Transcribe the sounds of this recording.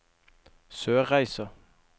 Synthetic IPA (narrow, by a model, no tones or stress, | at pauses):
søːʁæɪsə